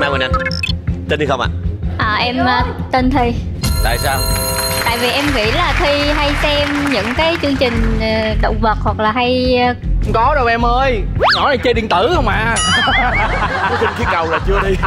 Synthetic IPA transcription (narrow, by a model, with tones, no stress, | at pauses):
maː˧wnʔa˧nt̪i˧nt̪i˧˩xə˧wŋ͡mʔa̰ː˨ʔəː˨˩ʔɛ˧mʔt̪i˧nt̪ʰi˧ | t̪a̰ː˧˨jsaː˧wt̪a̰ː˧˨jvi˨˩ʔɛ˧mvḭ˧˨laː˨˩t̪ʰi˧ɦa˧jsɛ˧mɲɨ̰˧˥ŋkaː˨˦jt͡ɕɨ˧əŋt͡ɕï˨˩ŋ̟ː˨˩ɗə̰˧˨wŋ͡mvə˨˩t̚hwa˨˩k̚laː˨˩ɦa˧j | ŋ͡mkɔ˨˦ɗə˧wɛ˧mʔəː˧jnɔ˧˩˦na˨˩jt͡ɕəː˧ɗḭ˧˩nt̪ɨ˧˩hə˧wŋ͡mʔaː˧˨˩ | t͡ɕï˨˩ŋ̟ki˨˦kə˨˩wlaː˨˩t͡ɕɨ˧əɗi˧